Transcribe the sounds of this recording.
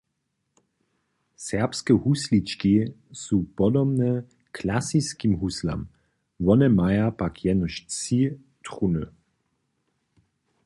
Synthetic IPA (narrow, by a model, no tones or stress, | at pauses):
sɛʁpskɛhuslit͡ʃki | suːpɔd̪ɔbnɛ | kʰlasiskimɦusla̰m | ʋɔnɛmajapakʰjɛnɔʃt͡si | t̪ʁunə